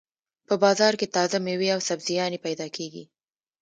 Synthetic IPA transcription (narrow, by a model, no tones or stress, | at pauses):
pəbɑzɑɾket̪ɑzameweawsabzijɑnepajd̪ɑkʰeɡḭ